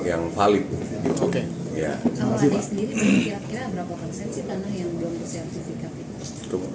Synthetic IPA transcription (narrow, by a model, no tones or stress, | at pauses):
kjaŋfalɪt̪u | oke | ja̰kalaiasəndiɾianakiɾakiɾabəɾapakɔnsɛnsitanahjaŋbəlʊmbəsiart̪ifikani | t̪u